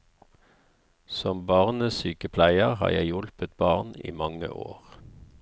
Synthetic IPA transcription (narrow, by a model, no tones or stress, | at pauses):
sɔmbɑːʁnəsyːkəpʰlæɪəʁhɑ̰ːjæɪjɔlpət̪̚bɑːʁnḭːmɑŋə̰ʔo̰ːʁ